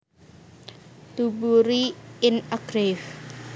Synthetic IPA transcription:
t̪ubuɾiɪnaɡɾef

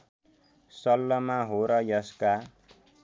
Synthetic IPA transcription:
sʌlːʌmaɦoɾʌjʌska

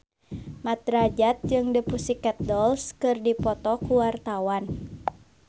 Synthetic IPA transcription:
mat̪ɾad͡ʒat̪̚d͡ʒɨŋdəpusikɛt̪̚dɔlskɨrdipɔt̪ɔkuwart̪awan

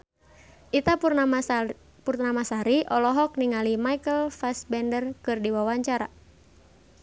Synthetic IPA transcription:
ʔit̪aa | purnamasaɾiʔɔlɔɦɔk̚niŋalimaikəlfasbɛndərkɨrdiwawaɲt͡ʃaɾa

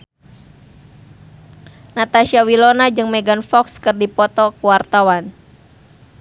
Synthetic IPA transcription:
nat̪aʃiawilɔnad͡ʒɨŋmɛɡanfɔkskɨrdipɔt̪ɔkuwart̪awan

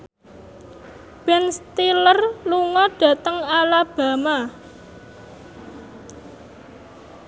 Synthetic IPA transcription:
b̥ɛnst̪ilərluŋɔɖ̥ä̤t̪əŋalab̥ä̤ma

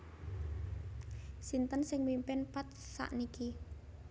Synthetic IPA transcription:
sint̪ənsɪŋmimpɪnpat̪̚sa̰ʔniki

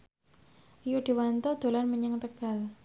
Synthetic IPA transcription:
juɖ̥i̤want̪ɔd̪̥o̤lanməɲəŋt̪əɡ̥a̤l

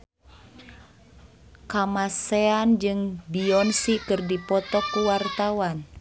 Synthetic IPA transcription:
kamaseand͡ʒɨŋbiɔnsikɨrdipɔt̪ɔkuwart̪awan

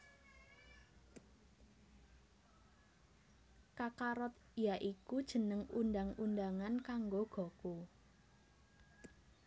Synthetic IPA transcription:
kakaɾɔt̪ | jaʔikud̥ʒ̥ə̤nəŋundaŋundaŋankaŋɡoɡ̥ɔ̤ko

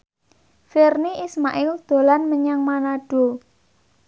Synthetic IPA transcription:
firniʔismaʔɪld̪̥o̤lanməɲaŋmanaɖ̥o̤

